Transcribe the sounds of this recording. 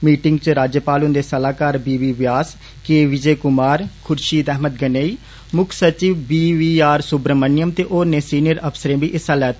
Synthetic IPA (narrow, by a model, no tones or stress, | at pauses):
miːʈɪŋɡt͡ʃɾaːd͡ʒjəpaːlʊnd̪eːsəlaːkaːɾbiːʋiːʋjaːs | keːʋɪd͡ʒeːkʊmaːɾkʰʊɾʃiːd̪ɛːɦməd̪̚ɡəneːiː | mʊkʰsət͡ʃiʋbiːʋiːaːɾsʊbɾəmənɪjəmt̪eːʔoːɾneːsiːnɪjəɾəpʰsəɾẽːbiːʔɪsaːlɛːt̪ː